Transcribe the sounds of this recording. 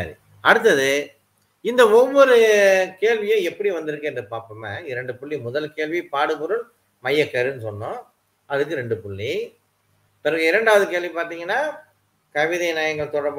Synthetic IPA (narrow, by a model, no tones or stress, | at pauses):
a̰ːɾḭ | ɐɽɯt̪̬ːɐðɯ | ɪnd̪ɐɔʋːɔɾɯkeːlʋɪjʊ̃ɛpːɐɽiʋɐnd̪ɪɾɯkːɛndrpaːɾpɐmɐɪɾɐɳɖɯpʊɭːimʊðɐlkeːlʋipaːɽɯpʊɾɯɭ | mɐjːɐkːɐɾɯnɯsɔnːʊ̃ | ɐðɯk̬ːɯɾɛɳɖɯpʊɭːi | pɛɾɐɣɯɪɾɐɳɖaːʋɐðɯkeːɭʋipaːɾt̪iːŋɡɐnːaː | kɐʋɪðɐnaːjɐŋɡɐɭt̪ɔɽɐɾb